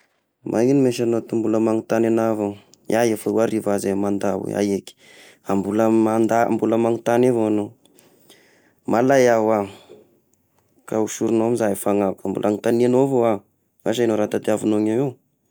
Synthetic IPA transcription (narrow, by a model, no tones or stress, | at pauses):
mʔainimeʃanot̪umbuləmaŋut̪ananavaŋ | aefəuaɾivazemand̪aw̰a̰jeki̥ | ambuləmand̪a̰mbuləmaŋit̪anevoano | malajawa | kauʃuɾunoamizafaŋavukambṵlʔaŋit̪aninovoa | waʃanoɾat̪ad̪iavunoŋewe